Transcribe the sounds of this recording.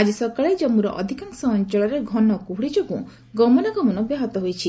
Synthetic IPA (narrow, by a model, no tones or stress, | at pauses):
ad͡ʒisɔkaɭed͡ʒɔmuɾɔ̰ʔɔ̰d̪ʱikaŋsɔːnt͡ʃɔɭɔɾeɡʱɔnɔkuɦuɽid͡ʒɔkṵ̃ | ɡɔmɔnɔɡɔmɔnɔbjaɦɔt̪ɔɦojt͡ʃʰi